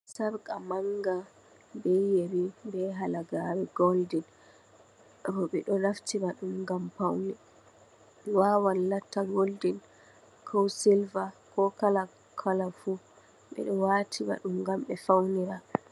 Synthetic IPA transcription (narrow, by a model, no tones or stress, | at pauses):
saɾkʼamaŋɡa | bɛjeɾibɛɦalaɡaɾɛɡoldin | bɔɓɛɗɔɾaftibaɗumɡampawni | waːwanlatːaɡoldin | kʰɔwsilvakɔkala | kʰalafu | ɓɛ̰ɗɔwatʰiba̰ɗumɡamɓɛfawniɾa